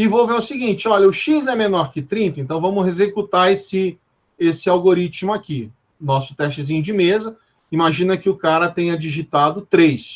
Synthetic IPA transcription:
ɪvoveɾʊsɪɡĩt͡ʃɪɔʎɐʊʃizɛmẽnɔɾkɪt̪ɾĩnt̪ɐẽnt̪ɐ̃w̃vɐ̃mʊhezekut̪aɾesɪ | esɪawɡoɾit͡ʃɪmʊaki | nɔsʊ̥t̪ɛʃt͡ʃɪzĩɲʊd͡ʒɪmezɐ | imaʒĩnɐkɪʊkaɾɐt̪ẽɲɐd͡ʒiʒit̪ad̪ʊt̪ɾejs

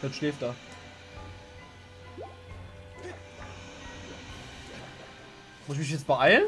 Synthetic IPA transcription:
d̥atʃleːft̚d̥aː | mʊɪç̬mɪç̬jɛt͡st̚b̥əʔaɪln

